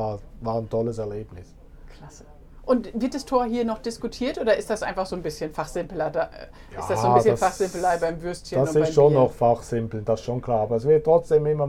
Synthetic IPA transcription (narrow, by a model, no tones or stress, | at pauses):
aːvaːntʰɔləsɛɐleːbnɪs | kʰl̥asə̥ | ʔʊntvɪɐt̚d̥astʰoːɐɦiːɐnɔχd̥ɪskutʰiːɐtʔoːdɐɪstd̥asʔa̰ɪnfaχz̥oːnbɪsçənfaχz̥ɪmpl̩ɐdaʔ | ʔjɪasd̥asoːnsçəfaχz̥ɪmpəl̩aɪbaɪmvʏɐstçəasʊɪasʃoːnnːɔχfaχz̥ɪmpl̩d̥asɪsʃoːnkʰl̥aːɐaːbɐɛs̬v̥ɛːətʁ̥ɔt͡sd̥eːmɪmɐ